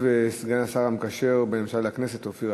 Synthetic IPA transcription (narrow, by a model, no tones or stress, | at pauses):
vesɡanasaʁamkaʃeʁbeemʃalaknese̞t̪ofiʁ